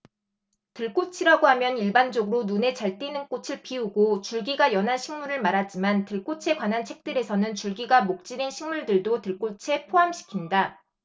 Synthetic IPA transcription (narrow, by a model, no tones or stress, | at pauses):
tɯɭk͈ot͡ɕʰiɾaɡoɦamjʌniɭband͡ʑʌɡɯɾonune̞t͡ɕaɭt͈inɯnk͈ot͡ɕʰɯɭpiuɡot͡ɕuɭɡiɡajʌnɦanɕʰiŋmuɾɯɭmaɾɦad͡ʑimantɯɭk͈ot͡ɕʰe̞ɡwanɦant͡ɕʰek̚t͈ɯɾe̞sʰʌnɯnt͡ɕuɭɡiɡamok̚t͡ɕ͈iɾenɕʰiŋmuɭdɯɭdotɯɭk͈ot͡ɕʰe̞pʰoɦamɕʰi̥kʰinda